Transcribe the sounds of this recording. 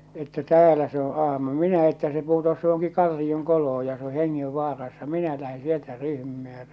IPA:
etːæ tæːlæ se o ɑhmɑ minæ etːæ se putos johoŋki kɑlːioŋkoloh̞o jɑ se o heŋːeʋːɑːrɑsːɑ minæ læhe sieltæ ryhmimæː jɑ

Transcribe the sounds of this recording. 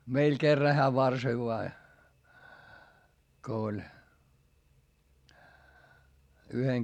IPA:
meil kerːɑ heæ ʋɑrsoi ʋoɑ ko olʲ yheŋ

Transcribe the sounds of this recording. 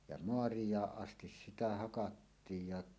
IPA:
jɑ moɑrijˑɑːʔ ʔɑstis sitæ hɑkɑtːiːj jɑ

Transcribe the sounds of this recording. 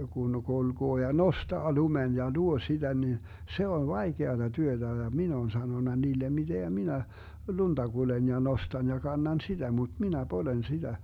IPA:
kun kulɡ̊oː jɑ nostɑː lumen jɑ luo sid̥æ ni se on ʋɑikeɑtɑ tyøtæ jɑ min oːn sɑnonɑ niːlem mid̥eŋɡ̊æ minæ lund̥ɑ ɡ̊ulen jɑ nostɑn jɑ kɑnːɑn sid̥æ mut minæ polen sid̥æ

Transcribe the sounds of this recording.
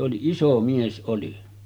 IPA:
oli iso mies ʔoli

